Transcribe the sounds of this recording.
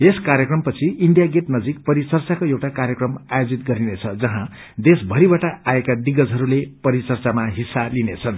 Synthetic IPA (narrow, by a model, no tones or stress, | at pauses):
eskaɾjʌkrʌmpʌt͡sʰiiɳɖijaɡeʈnʌd͡zik̚pʌɾit͡sʌrt͡sakojewʈakarjʌkrʌmajod͡zit̪ɡʌɾinet͡sʰʌd͡zʌɦã | d̪esbʱʌɾibaʈaaekad̪iɡʌd͡zɦʌɾulepʌɾit͡sʌrt͡samaɦisːalinet͡sʰʌn